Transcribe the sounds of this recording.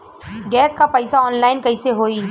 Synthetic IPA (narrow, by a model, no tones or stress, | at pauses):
ɡɛːskapɐɪsaɔːnlaːɪnkɐiseɦoːi